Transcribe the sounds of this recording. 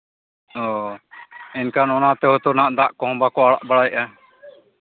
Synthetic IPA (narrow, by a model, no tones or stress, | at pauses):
ɔ | ɛnkanɔnat̪ɛɦɔt̪ɔnaʔd̪aʔkɔɦɔ̃bakɔaɽa̰ʔbaɽajʔa